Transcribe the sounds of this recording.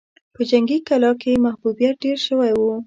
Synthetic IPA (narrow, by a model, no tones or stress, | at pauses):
pəd͡ʒaŋɡikalɑkemahbubjat̚ɖeɾʃəwajwu